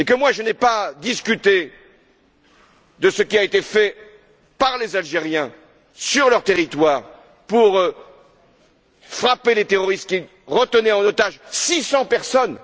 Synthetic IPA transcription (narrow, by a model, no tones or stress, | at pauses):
ekəmwaʒənɛpad̪iskʲyt̪e | d̪əsəkʲiaet̪efɛ | paʁlezalʒeʁjɛ̃ | syʁlœʁt̪eʁit̪waːʁ | puʁ | fχapelet̪eʁɔʁist̪kʲi | ʁət̪ənɛɑ̃not̪aʒsisɑ̃pɛʁsɔn